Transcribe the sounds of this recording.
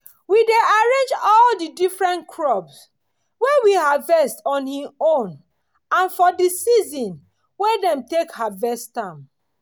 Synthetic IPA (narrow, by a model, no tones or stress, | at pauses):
wideaɹẽnd͡ʒɔldidifɹɛ̃ntkʰɹɔbs | wɛwihavɛstɔ̃nhĩõn | ãnfɔdisizɔ̃n | wedɛ̃mtekhavɛstãm